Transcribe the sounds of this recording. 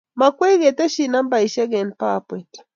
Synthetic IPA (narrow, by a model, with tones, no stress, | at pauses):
ma˨kwɛ˦ɣɛ˨ta˦ʃi˨na˦mba˨i˨ʃɛ˦ɣɛ˨npa˨pwɛ˨t